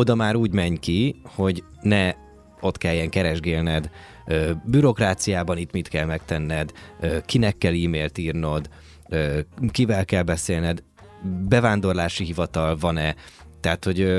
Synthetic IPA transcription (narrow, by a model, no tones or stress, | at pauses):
o̞d̪ɒmaːɾuːɟmɛɲkiho̞ɟ | nɛ | o̞t̪kɛljːɛŋkɛɾɛʒɡeːlnɛd̪ | øːbyɾo̞kraːt̪sijaːbɒnit̪mit̪kɛlmɛkt̪ɛnːɛd̪øːkinɛkːɛliːmeːlt̪iːrno̞d̪ | øːkivɛlkɛlbɛseːlnɛd̪ | bɛvaːnd̪o̞rlaːʃiɦivɒt̪ɒlvɒnɛ | t̪ɛɦat̪ho̞ɟø